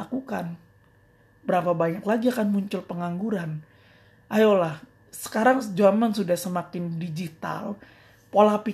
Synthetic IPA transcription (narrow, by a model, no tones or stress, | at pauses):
akukan | bəɾapabaɲaklaɡiakanmuɲt͡ʃʊlpəŋaŋɡuɾan | ʔajolah | sə̥kaɾaŋd͡ʒamansudahsəmakɪndid͡ʒit̪a̰l | polapi